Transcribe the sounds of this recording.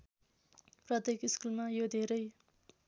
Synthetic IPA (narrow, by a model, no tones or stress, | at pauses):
prʌt̪ekiskulmajod̪ʱeɾʌj